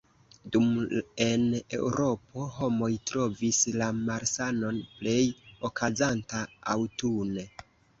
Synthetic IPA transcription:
dume̞ne̞̰wɾo̞po̞ɦo̞mo̞jtɾo̞vislamaɾsano̞nple̞jo̞kʰazantaa̰wtune

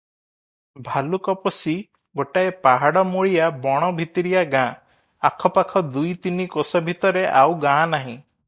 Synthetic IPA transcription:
bʱalukɔpɔsi | ɡoʈaepaɦaɽɔmoɭijabɔɽ̃ɔbʱit̪iɾijaɡãː | akʰɔpakʰɔd̪ujt̪inikosɔbʱit̪ɔɾeʔawɡãnaɦĩ

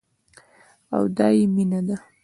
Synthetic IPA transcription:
a̰wd̪ɑjeminad̪a

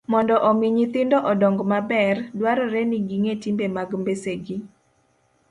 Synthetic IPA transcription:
mɔndɔʔɔmiɲit̪ɪndɔʔɔdɔŋɡmabɛrdwaɾɔɾɛniɡiŋetimbemaɡmbeseɡi

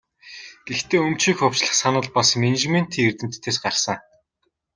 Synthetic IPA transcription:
ɡ̥ext̪eːɵmt͡ɕiːxʊw̥ʲt͡ɕɮə̆χsanə̆ɮpasmenet͡ɕmen̥t̪ʰiːert̪ɘ̆m̥t̪ʰːeːsɢarsə̆ŋ

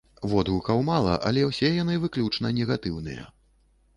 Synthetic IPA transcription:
vɔd̪ɣukɐwmalˠɐ̰ʔɐ̰lʲɛwsʲɛjan̪ɨvɨklʲut͡ʂnɐnʲɛɣat̪ɨwnɨ̰jɐ̰

